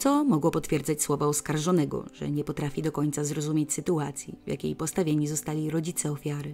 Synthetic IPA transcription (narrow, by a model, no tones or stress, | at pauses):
t̪sɔmɔɡwɔpɔt̪fʲjɛɾd̪zat͡ɕswɔvaɔskaɾʐɔnɛɡɔ̰ʐ̥ɛ̰ɲɛpɔt̪ɾafʲid̪ɔkɔɲt̪sazɾɔzumʲjet͡ɕsɘt̪uat̪sʲjḭvja̰kʲḛjpɔst̪avʲjeɲizɔst̪alʲiɾɔd͡ʑit̪sɛɔfʲjaɾɘ